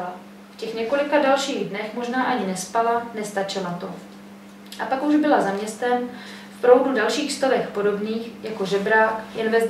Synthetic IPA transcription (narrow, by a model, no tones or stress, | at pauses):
a | fcɛxɲɛko̞lɪkadalʃiːɣdnɛxmo̞ʒnaːʔaɲɪnɛspalanɛst̪at͡ʃɪlat̪o̞ | ʔapakuʒbɪlazamɲɛst̪ɛm | fpɾo̞wdudalʃiːxst̪ovɛxpo̞do̞bniːxjako̞ʒɛbɾaːkjɛnvɛzd